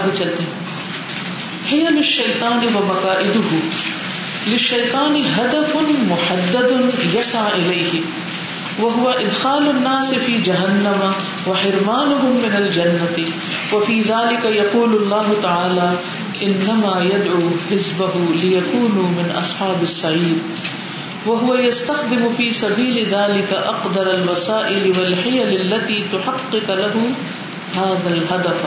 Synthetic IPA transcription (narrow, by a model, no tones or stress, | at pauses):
bit͡ʃɐlt̪eɦɛ̃ː | hɪjɐlɪʃːɐjt̪ˤɑːnɪwɐmɐkaːʔɪd̪ʊɦʊ | lɪʃːɐjt̪ˤɑːnɪɦad̪ɐfʊmʊħad̪ːɐd̪ʊjɐsaʕʔɪlejhɪ | wɐɦʊwɐʔɪd̪xaːlʊnːaːsɪfiːd͡ʒɐɦɐnːɐma | wɐħɪɾmaːnʊɦʊmːɪnɐld͡ʒɐnːɐt̪ɪ | wafiːðaːlɪkajɑquːllˤːɑːɦʊt̪aʕaːlaː | ʔɪnːamaːjad̪ʕuːħɪzbaɦʊlɪjakuːnʊmɪnʔɑ̰sˤħɑːbasːaʕiːɾ | waɦʊwajast̪axd̪ɪmʊfiːsabiːlɪðaːlɪkaʔɑqd̪ɑɾˤalwasaːʔɪlɪwalħɪjalalːat̪iːt̪ʊħɑqːɪqlaɦʊ | haːðalɦad̪af